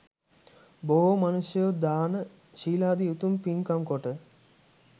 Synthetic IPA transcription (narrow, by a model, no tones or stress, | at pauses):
boɦomɐnusjəjod̪aːnə | ʃiːlaːd̪iut̪umpinkamkoʈə